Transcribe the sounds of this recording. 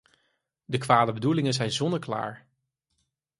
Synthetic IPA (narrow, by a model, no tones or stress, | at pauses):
dəkʋaːdəbədulɪŋənzɛjnzɔndəɹkla̰ːɹ